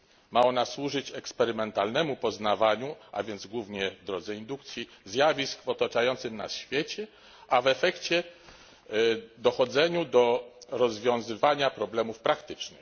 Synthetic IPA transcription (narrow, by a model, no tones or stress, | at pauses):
maɔnaswuʐɘt͡ɕɛkspɛɾɘmɛnt̪alnɛmupɔznavaɲuʔa̰vʲjɛnd̪zɡwuvɲɛvd̪ɾɔd̪zɛind̪uk̚t̪sʲjizʲjavʲiskvɔt̪at͡ʂajɔnt̪sɘmna̰ɕfʲjet͡ɕɛ | ʔavɛfɛkt͡ɕɛ | d̪ɔxɔd̪zɛɲud̪ɔɾɔzvʲjɔ̃w̃zɘvaɲapɾɔblɛmufpɾakt̪ɘt͡ʂnɘ